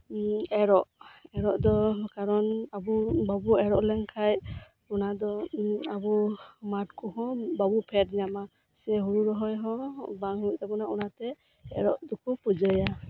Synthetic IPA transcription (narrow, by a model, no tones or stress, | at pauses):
ɛɾɔʔɛɾɔʔd̪ɔkaɾɔnabubabuɛɾɔʔlɛŋkʰaj | unad̪ɔabumaʈ̚kɔhɔ̃babupʰɛtɲama | sɛɦuɾuɾɔɦɔjɦɔ̃baŋɦuut̪abɔnaunat̪ɛ | ɛ̰ɾɔʔd̪ukʰupud͡ʒəja